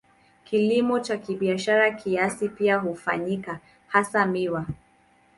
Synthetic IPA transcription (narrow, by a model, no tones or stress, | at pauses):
kilimɔt͡ʃakiɓiaʃaɾakʰiasipiaɦufa̰ɲika | hasamiwa